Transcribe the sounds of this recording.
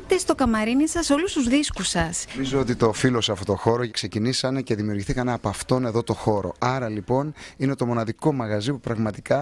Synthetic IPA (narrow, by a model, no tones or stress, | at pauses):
t̪est̪o̞kɐmɐɾinisɐso̞lust̪uzðiskusɐsizoot̪it̪ofilo̞seɐft̪o̞t̪oxo̞ɾo̞kse̞cinisɐne̞ce̞ðimiuɾʝiθikɐneɐpɐft̪o̞ne̞ðo̞t̪o̞xo̞ɾo̞̰ɐɾɐlipo̞nine̞t̪o̞mo̞nɐðiko̞mɐɣɐzipupɾɐɣmɐt̪ikɐ